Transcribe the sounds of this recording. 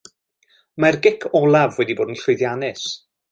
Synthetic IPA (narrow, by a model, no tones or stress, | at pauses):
marɡɪkʰɔlˠavwɛdiboːdn̩ɬʊɨðjanɪs